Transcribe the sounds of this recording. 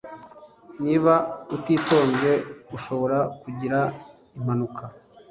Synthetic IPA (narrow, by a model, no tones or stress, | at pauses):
niːβautiːto̞ːnze̞uʃo̞βo̞ɾakuɟiɾa | im̥anukʰa